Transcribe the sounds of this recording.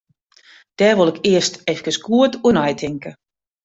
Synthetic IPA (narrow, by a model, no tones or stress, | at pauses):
d̥ɛːʋolˠɪkɪəstɛfkəskʰuətʰuənajtʰɪŋkə